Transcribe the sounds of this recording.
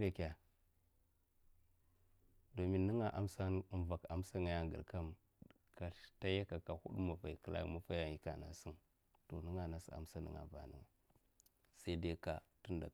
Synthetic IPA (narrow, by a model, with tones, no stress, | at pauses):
ɾa˦kʲa˨ | do˨mi˦nːə˦ŋa˨ʔa˦msa˦n˦˨˦va˨ka˨m˦sa˦ŋa˨ja˦ŋɡə̰˨ɾka˦m | kḁ˨˦ta˦ja˦ka˨ka˨hṵ˦ɗu˦ma˨fa˨i˨kə˨la̰˦kma˦fa˦ja˨ŋji˦ka̰˨na̰˨si˦n | to˨nə˦ŋa˨na˦si˨a̰˨msa˦nə̰˨ŋa̰˨va̰˨nḭ˨ŋa˨ | sa˦i˦da˦ka˨tu˦nda̰˨